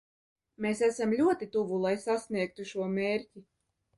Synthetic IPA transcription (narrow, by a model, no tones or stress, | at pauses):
meːsæsamlʲuɔt̪it̪uvulˠajsasnʲiɛk̚t̪uʃuɔmʲeːɾʲtʲi